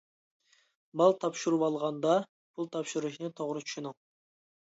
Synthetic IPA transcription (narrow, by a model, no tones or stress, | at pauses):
bɑlˠt̪ʰɑpʃuɾupɑlˠʁɑnd̪ɑ | pʰulˠt̪ʰɑpʃuɾuʃnɨt̪ʰoʁɾɨt͡ʃʰy̥ʃynɪŋ